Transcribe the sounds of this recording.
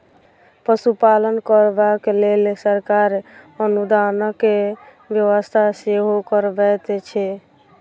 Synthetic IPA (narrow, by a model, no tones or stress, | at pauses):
pəsupalənkəɾbakelelsəɾkaɾənud̪anəkːe | bjəʋəst̪ʰaseɦokəɾbɛt̪t͡ʃʰɛ